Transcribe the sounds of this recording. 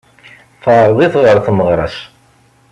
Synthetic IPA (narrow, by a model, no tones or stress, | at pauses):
fɑɾˤðˤiθʁəɾˤθməʁɾˤɑ̰s